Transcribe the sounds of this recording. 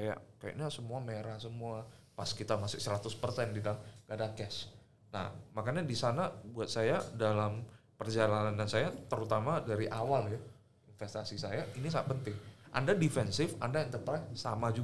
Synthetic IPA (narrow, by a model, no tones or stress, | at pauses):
aja̰kaja̰ɲasəmuameɾahsəmuapaskit̪amasʊksəɾat̪ʊspərsɛndidamɡadakɛs | na̰hmakaɲadisanabuat̪̚sajadalampərd͡ʒalananansajat̪əɾut̪amadaɾiʔawalja | ɪnfɛst̪asisajainisaŋat̪̚pənt̪ɪŋʔa̰ndadifɛnsɪfa̰ndaɛnt̪ərpɾasa̰mad͡ʒu